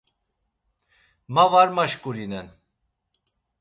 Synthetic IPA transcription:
mavaɾmaʃkʼuɾinɛn

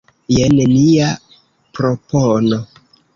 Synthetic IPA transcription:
jenenia | pɾopono

